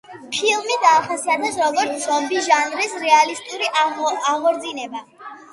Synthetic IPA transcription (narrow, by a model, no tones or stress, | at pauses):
pʰilˠmid̪aːχasiad̪ʰɛsɾɔɡɔɾt̪sʰzɔmbisʒanɾisɾɛalist̪ʼuɾiʔaɔʔaʁɔɾd̪zinɛba